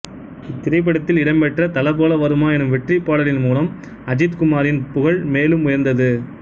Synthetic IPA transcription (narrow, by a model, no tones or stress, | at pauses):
ɪt̪ːɪɾɐɪp̬ːɐɽɐt̪ːɪlɪɽɐmpɛʈrɐt̪ɐlɐpoːlɐʋɐɾɯmaːɛnɯmʋɛʈripːaːɽɐlɪnmuːlɐm | ɐd͡ʒɪt̪kʊmaːɾɪnpʊɣɐɭmeːlɯmʊjɐɾnd̪ɐðɯ